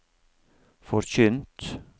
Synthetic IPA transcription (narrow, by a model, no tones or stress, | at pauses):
fɔɾçʏnt̪